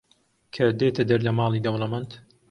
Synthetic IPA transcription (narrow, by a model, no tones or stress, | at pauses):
kʰɐd̪eːt̪ʰɐd̪ɐɾlɐmɑːlˠiːd̪ɐwlɐmɐnt̪